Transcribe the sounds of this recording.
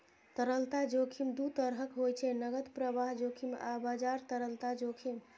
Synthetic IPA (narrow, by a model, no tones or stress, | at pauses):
t̪əɾəlt̪ad͡ʒokʰimd̪ut̪əɾɦəkɦojt͡ʃʰɛnəɡət̪pɾəbaɦd͡ʒokʰima̰bad͡ʒaɾt̪əɾəlt̪ad͡ʒokʰim